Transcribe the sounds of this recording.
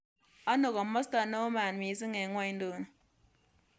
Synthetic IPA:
a˦no˨ka˨mɔ˦sta˨no˦maː˨nmi˨˦s̬i˦ŋe˨ŋwa˦jn˦do˨n˨

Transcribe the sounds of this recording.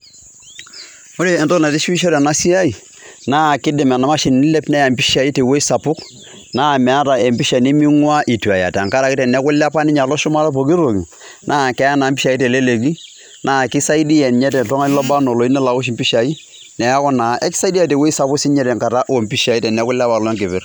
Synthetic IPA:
o˦ɾe˨ɛ˨ntɔ˦na˨tɪ˦ʃi˦ʃ̬ɔ˦ɾɛ˨na˦si˦a˦i˨ | na˦˨kɪ˦dɪ˨mɛ˨na˨ma˦ʃi˨n˨nɪ˦lɛ˦pnɛ˦ja˨mpi˦ʃa˨i˦te˨we˦i˦sa˨pʊ˦k | na˦˨mɛ˨a˦ta˨e˨mpi˦ʃa˨ni˦mi˦ŋwa˦ʔi˨tu˨a˨ja̰˨ta˨ŋka˦ɾa˨ki˦tɛ˨nɛ˦kʊ˦la˦pa˦nɪ˦ɲa˨lɔ˦ʃʊ˦ma˦lo˦po˨ɡi˦ɾo˨ɡi˨ | nʔaː˦˨kɛ˦ja˦na˨mpi˦ʃa˨i˦te˨le˦le˨ɡi˦ | naː˦˨kɪ˦sa˦i˦di˦jɛ˨nɲɛ˦tɛ˨tɔ˦ŋa˦lɔ˦ba˦no˨lo˨i˦nɛ˦la˨wʊ˦ʃ̬mpi˦ʃa˨i˦ | nɛ˨ja˦kɔ˦na˨˦ʔɛ˦kɪ̥˦sa˦i˦di˦a˨te˨we˦i˦sa˨pʊ˦ksɪ˦ɲɛ˦ɾɛ˨ŋka˨ɾa˦ʔo˨mpi˦ʃa˨i˦tɛ˨nɛ˦kʊ˦la˦pa˨lɔ˦ŋkɪ˨pɪ˦r

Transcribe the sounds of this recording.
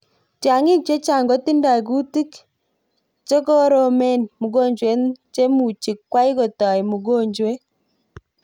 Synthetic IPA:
tja˨ŋɪ˦k̚t͡ʃe˦t͡ʃa˨ŋɡɔ˦ti˦nda˨ɡu˦ti˦k | t͡ʃe˦kɔ˦ɾo˨me˦˨nmu˨ɡo˦ɲd͡ʒwe˨˦nt͡ʃe˦mu˨t͡ʃi˨kːwa˦i˦ɡɔ˨ta˨i˨mu˨ɡo˦˨ɲd͡ʒwe˦

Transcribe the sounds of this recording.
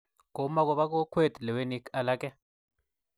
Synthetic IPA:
ko˨ma˦kɔ˦βa˦k̬o˦kʰwe˦˨tlɛ˨we˦ni˦ka˦la˦kɛ˦

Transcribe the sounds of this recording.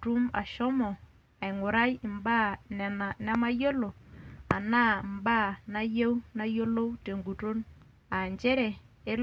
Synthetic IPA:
tu˦ma̰˨ʃɔ˦mɔ˨ | a˨i˨ŋo˨ɾa˦jɪ˨mba˦˨nɛ˨na˨nɛ˦ma˦jo˦lo˨a˨na˦˨mba˦˨na˦je˦wna˦jo˦lo˦wte˨ŋɡu˨to˦n | a˨nd͡ʒɛ˦ɾɛ˨e˦l

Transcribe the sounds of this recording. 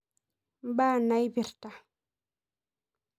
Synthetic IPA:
ba˦˨na˨˦jbi˨ɾta˨

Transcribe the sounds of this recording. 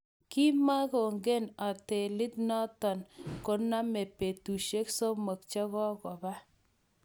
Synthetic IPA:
ki˦ma˦ko˨ŋɡe˦na˨te˨lɪ˦t̚nɔ˦tɔ˨nko˦na˦me˨pe˨tu˨ʃe˦kso˦mo˨k̚t͡ʃɛ˦ɣɔ˦kɔ˨ba˦

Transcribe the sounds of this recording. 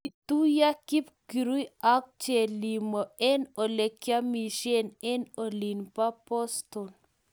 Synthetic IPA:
i˨t̪u˦ja˦ki˦pki˨ɾu˦i˦a˦k̚t͡ʃɛ˨li˨mɔ˨ɛ˦no˨le˨kja˦mi˨ʃɛ˦nɛ˦no˨li˨npa˦pɔ˦st̪ɔ˨n

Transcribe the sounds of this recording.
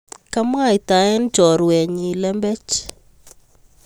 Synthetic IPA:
ka˦m˦a˦˨i˨ta˨ɛ˦nd͡ʒɔ˨ɾwɛ˨ɲi˨lɛ˦mbɛ˦t͡ʃ

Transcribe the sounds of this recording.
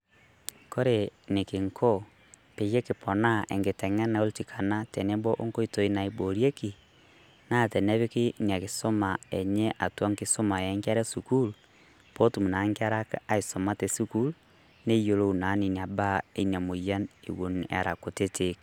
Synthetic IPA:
ko˦ɾe˨ne˨ke˨ŋkʰo˦ | pe˨je˦ke˨pʰo˨na˦ʔḛ˨ŋɡe˨tɛ˨ŋɛ˦na˨o˦lti˨kʰa˨na˦te˨ne˦bɔ˦ʔo˦ŋko˦i˦to˨i˦na˨i˨bo˨ɾje˦ki˨ | na˦˨tɛ˨ne˦βe˦ke˦ni˨a˨ke˨so˦ma˨e˨ɲɛ˦ʔa˨twa˦ŋke˦so˦ma˨e˨˦ŋka˦ɾɛ˦su˨ku˦l | po˦tu˨mu˨na˨˦ŋke˦a˦ɾa˦ka˦i˨so˨ma˦te˨su˦ku˦l | ne˦jo˨lo˦u˨na˨˦ni˨ni˨a˨ba˦ḛ˦na˨mo˨ja˦nḛ˨wo˨na̰˨ɾa˨ko˨te˦tʰe˨k

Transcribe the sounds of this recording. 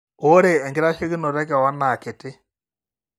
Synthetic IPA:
o˦ɾeː˨ŋɡɪ˦ɾa˦ʃe˦ɣi˦nɔ˨ɾɛ˦kɛ˨wa˦na˨ke˨tɪ˦

